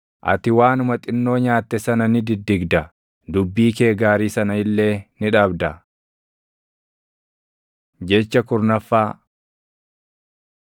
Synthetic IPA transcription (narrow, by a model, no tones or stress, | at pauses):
ʔɐ̰t̪ɪwaːnʊmɐt̪ʼɪnːo̞ːɲaːt̪ːɛsɐnɐnɪd̪ɪd̪ːɪɡd̪ɐ | d̪ʊbːiːke̞ːɡaːɾiːsɐnɐɪlːe̞ːnɪᶑɐbd̪ɐ | d͡ʒɛt͡ʃːɐkʊɾnɐfːaː